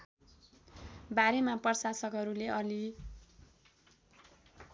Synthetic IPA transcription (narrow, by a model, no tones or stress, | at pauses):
baɾemapʌrsasʌkɦʌɾuleʌli